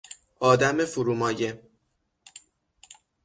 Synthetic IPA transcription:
ɒːd̪æmefuɾuːmɒːje

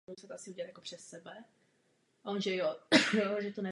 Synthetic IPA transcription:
usɛt̪oʔasɪuɟɛlat̪jakopr̥ɛsːɛbɛ | ʔaonʒɛjojʒɛt̪onɛ

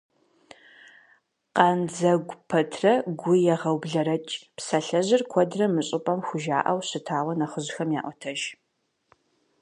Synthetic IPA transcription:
qɐnd͡zɐɡʷpʰɐtʰrɐɡʷʊjɛʁɐwbɮɐɾɐt͡ʃʼpsɐɬɐʑɪrkʷʰɔdrɐmɨɕʼɪpʼɐmxʷʊʒa̰ːʔɐwɕɨtʰaːwɐnɐχəʑxɐmja̰ːʔʷɔtʰɐʒ

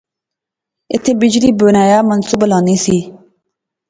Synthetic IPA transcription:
ɪt̪ʰːeːbɪd͡ʒliːbʊnaːjaːmənsuːblãːniːsiː

